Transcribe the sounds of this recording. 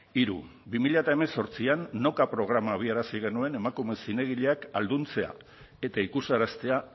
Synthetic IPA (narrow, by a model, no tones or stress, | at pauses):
iɾṵ | bimiʎaet̪aeme̞so̞ɾt͡sianːokapɾo̞ɣ̞ɾamaβ̞iaɾasiɣ̞e̞nue̞ne̞makume̞sine̞ɣ̞iʎe̞akald̪unt͡se̞a̰ | e̞t̪aikusaɾast̪e̞a